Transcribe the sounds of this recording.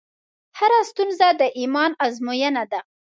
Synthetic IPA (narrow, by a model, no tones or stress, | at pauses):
haɾast̪unzad̪əʔimɑnazmojanad̪a